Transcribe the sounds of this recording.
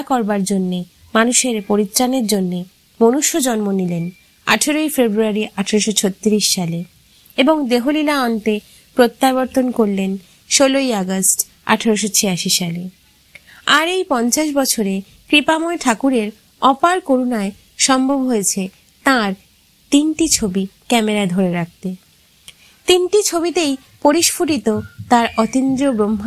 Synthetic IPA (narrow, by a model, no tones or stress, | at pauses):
kɔɾbaɾd͡ʑonːe | manuʃeɾpoɾit̪ːɾaneɾd͡ʑonːe | monuʃːod͡ʑɔnmonilen | a̰ʈʰaɾojfebɾuaɾiʔaʈʰaɾoʃot͡ɕʰot̪ːiɾiʃʃale | eboŋd̪eɦolilaɔnʈe | pɾot̪ːaβoɾt̪onkoɾlen | ʃolojaɡasʈ | a̰ʈʰaɾoʃ̬ot͡ɕʰejaʃiʃale | aɾejpɔnt͡ɕaʃbɔt͡ɕʰoɾe | kɾipamoeʈʰakuɾeɾ | ɔpaɾkoɾunae | ʃɔmbʱobɦojet͡ɕʰe | t̪aɾ | t̪inʈit͡ɕʰobikɛmeɾad̪ʱoɾeɾak̚t̪e | t̪inʈit͡ɕʰobit̪ej | poɾiʃpʰoʈit̪ot̪aɾɔt̪ind̪ɾobɾomː